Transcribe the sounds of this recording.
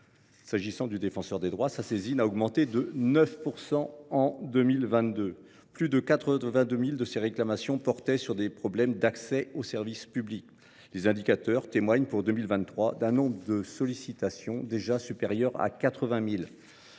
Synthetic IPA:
saʒisɑ̃d̪yd̪efɑ̃sœʁd̪ed̪ʁwasasezinaɔɡmɑ̃t̪ed̪ənœfpuʁsɑ̃ɑ̃d̪ømilvɛ̃t̪d̪ø | plyd̪əkat̪χəvɛ̃d̪ømild̪əseʁeklamasjɔ̃pɔʁt̪ɛsyʁd̪epχɔblɛmd̪aksɛosɛʁvispyblik | lezɛ̃d̪ikat̪œʁt̪emwaɲpuʁd̪ømilvɛ̃t̪ːχwad̪ɛ̃nɔ̃bʁəd̪əsɔlisit̪asjɔ̃d̪eʒasypeʁjœʁa̰kat̪χəvɛ̃mil

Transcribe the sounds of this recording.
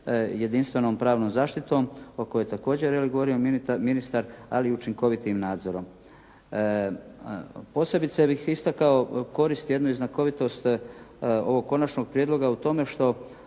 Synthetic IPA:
je̞d̪inst̪ʋe̞noːmpɾaːʋnoːmzaːʃt̪it̪o̞ːmokojojt̪ako̞ːd͡ʑeɾeliɡoʋo̞ɾiominist̪aɾa̰liut͡ʃiŋko̞ʋit̪imnaːd̪zo̞ɾo̞m | po̞ːse̞bit̪sebixist̪akao̞ko̞ɾist̪ije̞d̪nuiznako̞ʋit̪o̞st̪ | o̞̰ʋo̞ɡ̚kːo̞nat͡ʃno̞ɡ̚pɾjed̪lˠo̞ɡaut̪o̞me̞ʃt̪o̞

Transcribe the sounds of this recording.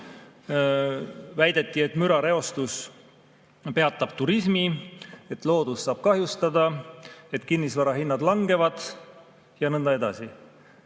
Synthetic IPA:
væjd̪̥e̞t̪ˑːie̞t̪ˑmyɾɑɾe̞o̞st̪us | pe̞ɑt̪ːˑɑb̥̚t̪uɾismie̞t̪ˑlo̞ːd̪̥usːɑːb̥̚kɑɦjust̪ɑd̪ɑe̞t̪kinːisvɑɾɑɦinːɑd̪lɑŋɡ̥e̞vɑd̪̥ | jɑnɤnd̪ɑe̞d̪ɑsi

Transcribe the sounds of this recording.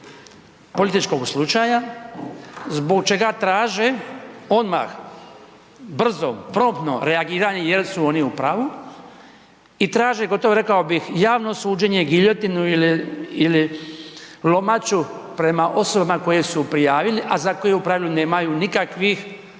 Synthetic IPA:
po̞lit̪it͡ʃko̞ɡslˠut͡ʃaja | zbo̞ɡt͡ʃe̞ɡat̪ɾaːʒeo̞d̪ma̰x | br̩zo̞̰pɾo̞mt̪no̞̰ɾe̞aɡiːɾaɲe̞jelsuo̞niupɾaʋu | it̪ɾaːʒeɡo̞t̪o̞ʋoɾe̞kaobixjaːʋno̞suːd͡ʒe̞ɲe̞ɡiʎo̞t̪inuiliili | lo̞mat͡ʃupɾe̞maʔo̞so̞bamako̞jesupɾijaːʋiliʔazako̞je̞upɾaːʋlune̞ːmajunikakʋix

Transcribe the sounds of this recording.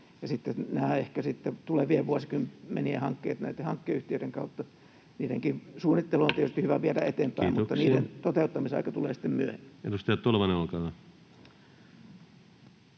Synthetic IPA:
jɑsit̪ːenæːehkæsit̪ːet̪uleʋieʋuɑsikymmḛniḛhɑŋkːḛːt̪næit̪ːehɑŋkːeyht̪iøˑiɾeŋkɑut̪ːɑ | niːɾeŋkiʋsuːnːˑit̪ːeloont̪ietyst̪ihyʋæʋiæɾæet̪eːmpæimmut̪ːɑniːɾent̪ot̪eut̪ːɑmiseɑ̰ikɑt̪ulḛːsi̥t̪ːemmyøhemːæenust̪eɑt̪t̪olʋɑneɑlkɑɑ

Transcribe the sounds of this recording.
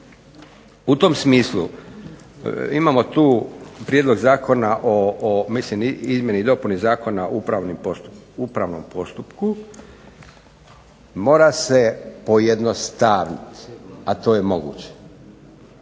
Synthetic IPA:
ut̪omsmiːslˠṵ | imamo̞t̪uːpɾjed̪lo̞ɡzaːko̞naʔomislimizmjenid̪o̞punizaːko̞naupɾaʋnimoupɾaʋnompo̞st̪upku | mo̞ːɾase̞po̞jed̪nost̪aːʋnit̪at̪o̞ːje̞mo̞ɡṵːt͡ɕe̥

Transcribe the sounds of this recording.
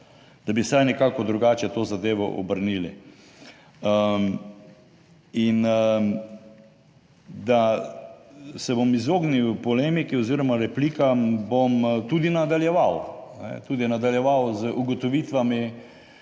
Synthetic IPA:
d̪̥abisajnɛkaːkɔd̪ɾuɡaːt͡ʃɛt̪oːzad̪eːʋɔ̰ʔɔbəɾniːli | ə | in | d̪a | sɛbomizoːɡniwpɔleːmikiɔziːɾɔmaɾɛplikabomt̪ud̪inad̪aljɛʋawnɛ̰t̪ud̪inad̪aljɛʋawzʔuɡɔt̪ɔʋiːt̪ʋami

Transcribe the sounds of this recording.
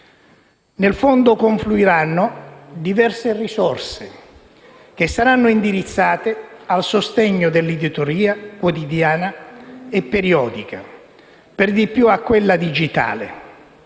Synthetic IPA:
nelfond̪okoɱfluiɾanːod̪ivɛrserisɔrse | k̟esːaɾanːʊind̪iɾit̪sːaːt̪ealsost̪eɲːod̪elːid̪it̪oɾiːakwot̪id̪jaːnaepːeɾiɔːd̪ika̰ | perd̪ipːjuakːwelːad̪id͡ʒit̪a̰ːlḛ

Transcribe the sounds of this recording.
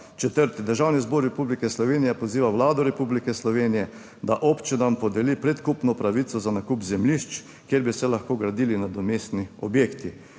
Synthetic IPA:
t͡ʃɛt̪əɾt̪id̪əɾʒawnizboɾːɛpublikɛslɔʋeːnijɛpɔziːʋawlaːd̪ɔɾɛpublikɛslɔʋeːnijɛ | d̪aʔɔpt͡ʃinampɔd̪ɛlipɾɛt̪kupnɔpɾaʋit̪sɔzanakupzɛmliʃt͡ʃ | kjeɾbisɛlaxkoːɡɾad̪ilinad̪ɔmeːst̪niɔbjeːkt̪i

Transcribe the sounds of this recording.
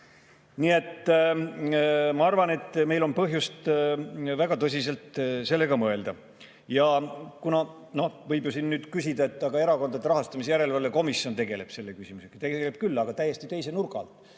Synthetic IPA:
nie̞t̪ː | mɑɑrvɑne̞t̪ːme̞jlo̞npɤɦjust̪ | væɡ̥ɑt̪ɤs̬ʲis̬e̞lt̪se̞lːe̞ɡ̥ɑmɤeld̪̥ɑ | jɑkunɑ | no̞hvɤjbjosinːyːd̪̥kysid̪ɑe̞t̪ːˑɑɡ̥ɑe̞ɾɑko̞nd̪ɑd̪eɾɑɦɑst̪ɑmisejæɾe̞lvɑlːeko̞misːjo̞nt̪e̞ɡe̞le̞b̥se̞lːe̞kysʲimuse̞kt̪e̞ɡeele̞b̥̚kylːɑɡ̥ɑt̪æjːe̞st̪it̪e̞jsenurɡɑ̰lt̪

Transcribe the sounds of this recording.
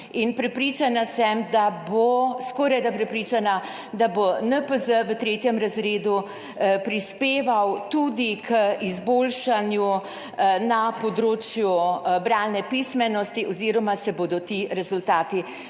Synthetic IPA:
inpɾɛpɾit͡ʃanasɛmd̪aboskɔɾajd̪apɾɛpɾiːt͡ʃana | d̪abonəpəzəʋət̪ɾeːt̪jɛmɾazɾeːd̪u | pɾispeːʋawt̪ud̪ikʰəizboːlʃanju | napɔd̪ɾoːt͡ʃjubɾannɛpismɛnɔst̪iʔɔziːɾɔmasɛbod̪ɔt̪iɾɛzult̪aːt̪i

